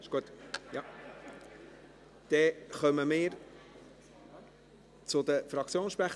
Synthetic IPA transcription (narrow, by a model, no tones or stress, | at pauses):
ʃɡ̥uət̪jɑ | d̪̥ɛχœməmɪːɾ | t͡sʊd̪əfɾɑk̚t͡sjoːnsʃpɾæχ